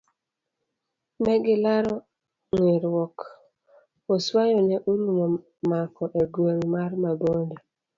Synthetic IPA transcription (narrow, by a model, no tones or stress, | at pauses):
mɛɡɪlaɾɔ | ŋweɾwɔk | oswajɔnɛʔulumɔ | makɔʔeɡweŋmarmabonde